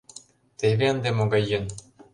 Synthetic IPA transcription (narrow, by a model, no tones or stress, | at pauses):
t̪eβeənd̪emoɡɑjːɤ̆n